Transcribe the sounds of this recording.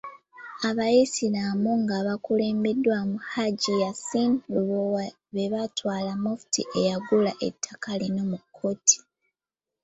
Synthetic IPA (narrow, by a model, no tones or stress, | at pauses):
aβajisiɾamuŋɡaβakule̞ːmbe̞dːwamuhaɟijasinluβowa | βe̞βatwaːlamofu̥tḭʔe̞jaɡulaʔe̞̰tʰːakalino̞mukʰːo̞ːtʰi̥